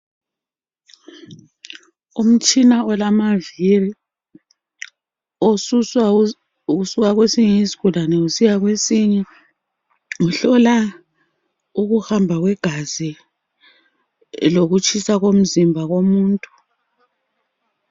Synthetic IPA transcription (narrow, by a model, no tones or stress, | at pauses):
um̩t͡ʃʼinaɔlamaviri | osu | usuɣaɣwesiɲɛisi̥ɣulanɛusijaɣwesiɲɛ | uɬɔla | uɣuhambʱaɣwɛɡ̥ʱaz̥i | loɣut͡ʃʼʰisaɣom̩zimbʱaɣomuːntʼu̥